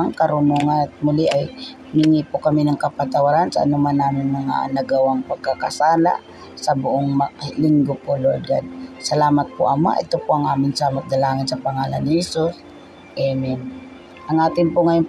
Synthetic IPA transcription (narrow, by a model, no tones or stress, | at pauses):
aŋkɐɾʊnuŋant̪̚mʊliʔaj | mɪŋipokɐminɐŋkɐpat̪ɐwaɾansɐʔa̰nʊmanːaːmɪnmɐŋa̰nɐɡɐwaŋpɐɡ̚kakɐsaːla̰ʔ | sɐbʊʔoŋmɐlɪŋɡopoloɾd̪a̰d̪̚sɐlaːmat̪̚poʔɐma̰ʔɛt̪opoʔɐŋʔaːmɪnsɐmɐk̚d̪ɐlaːŋɪnsɐpɐŋaːla̰nːɪhɛsus | ʔɛmɛn | ʔɐŋʔaːt̪ɪŋpʊŋɐjon